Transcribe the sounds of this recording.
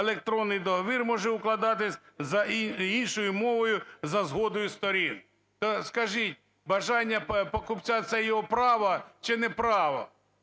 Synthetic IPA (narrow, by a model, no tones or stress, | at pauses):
elˠek̚t̪ɾɔnːɪjd̪ɔɦɔʋʲirmɔʒɛʊklˠɐd̪ɑt̪ɪsʲ | zɐinʃɔjʊmɔʋɔjʊzɐzɦɔd̪ɔjʊst̪ɔɾʲin | t̪ɔskɐʒit̚ʲ | bɐʒɑnʲːɐpɔkʊpt͡sʲat̪sɛjɔɦɔpɾɑʋɐt͡ʃɪnɛpɾɑʋɐ̰